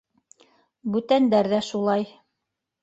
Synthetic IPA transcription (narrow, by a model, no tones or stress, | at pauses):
bʉt̪ænd̪æɾðæʃulˠɑj